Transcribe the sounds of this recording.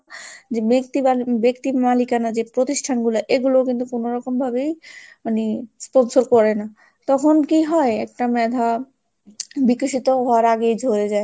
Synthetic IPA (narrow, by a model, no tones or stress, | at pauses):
ekt̪iabekt̪imalikanad͡ʑepɾot̪iʃʈʰanɡulaʔeɡulokint̪ukonoɾɔkombʱabejmanisponsoɾkɔɾena | t̪ɔkʰonkiɦɔeɛ̰k̚ʈamɛd̪ʱa | bikoʃit̪oɦɔaɾaɡejd͡ʑʱoɾed͡ʑae